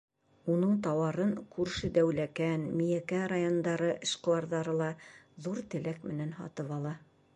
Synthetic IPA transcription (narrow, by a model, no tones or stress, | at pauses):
unɤɴt̪ɑwɑɾɤɴkʉɾʃɘd̪æwlækænmijækæɾajond̪ɑɾɤʔɘ̆ʃqɤ̆lˠɑɾðɑɾɤlˠɑðuɾt̪ɘ̆lækmɘ̆nænhɑ̰t̪ɤpɑlˠɑ